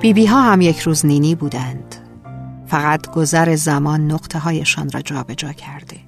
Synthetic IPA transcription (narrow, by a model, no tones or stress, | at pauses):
b̥iːbiːɦɒːɦæmje̞cʰɾuːzniːniːbuːd̪ænd̪̥ | fæɣæt̪ɡ̥o̞zæɾe̞zæmɒːnːoɣt̪ʰe̞ɦɒːje̞ʃɒ̰ːnrɒ̰ːd͡ʒɒːbe̞d͡ʒɒːcʰæɾd̪̥e